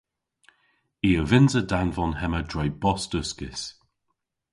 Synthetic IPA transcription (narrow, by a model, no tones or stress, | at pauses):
iːəvɪnzədanvɔnhɛmədɹɛjbɔstəskɪs